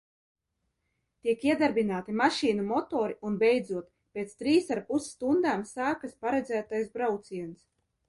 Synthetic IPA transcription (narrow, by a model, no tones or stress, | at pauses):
t̪iɛkiɛd̪aɾbinaːt̪imaʃiːnumɔt̪ɔːɾiunbɛjd̪zuɔt̪ | pʲeːt̪st̪ɾiːsaɾpussːt̪und̪aːmsaːkaspaɾɛd̪zæːt̪ajsbɾawt̪siɛns